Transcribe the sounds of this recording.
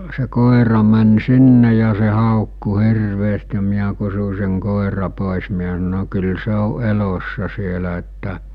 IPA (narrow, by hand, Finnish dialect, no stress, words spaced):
se koˑerɑ mæn sinːe jɑ se hɑˑokːu hirʋeːst jɑ miæ kusu seŋ koˑerɑ poˑes miæ sɑno kyl se o elosːɑ sielæ etːæ